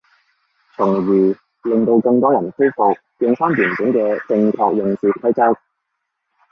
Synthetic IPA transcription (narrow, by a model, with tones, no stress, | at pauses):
t͡sʰʊ˨˩ŋjiː˨˩ | lɪ˨ŋt̪o˧wkɐ˧ŋt̪ɔː˥jɐ˨˩nfɵ˥wfʊ˨k̚ | jœː˧ŋsaː˥njyː˨˩nkɪ˨˥ŋkɛː˧t͡sɪ˧ŋkʰɔː˨˧k̚jʊ˨˧ŋt͡siː˨˧t̚pʰɐ˥t͡sɐ˥k̚